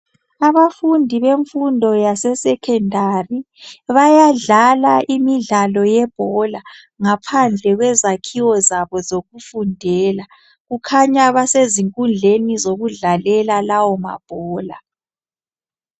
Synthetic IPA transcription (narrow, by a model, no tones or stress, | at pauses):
aβafundʱiβeɱfundʱɔjasɛsɛkʰɛndʱari | βajaɮalaʔimiɮalɔjɛb̥ʱɔla | ŋapʰand͡ɮʱɛɣwɛzakʰiwɔzaβɔzoɣufundʱɛːla | ɣukʰaɲaβaseziŋkʼund͡ɮʱenizoɣuɮalɛlalawɔma̰b̥ʱɔːla̰